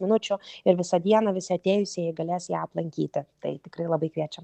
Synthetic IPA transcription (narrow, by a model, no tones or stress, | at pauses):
mʲɪnʊt͡ʃʲʊɪɾʋʲɪsɐd̪ʲiɛnɐʋʲɪsʲɪɐt̪ʲeːjʊsʲeːjɛɪɡɐlʲeːsjæːɐplˠɐŋʲkʲḭːt̪ʲɪt̪ɐ̰ɪt̪ʲɪkrɐɪlˠɐbɐɪkʋʲiɛt͡ʃʲɛm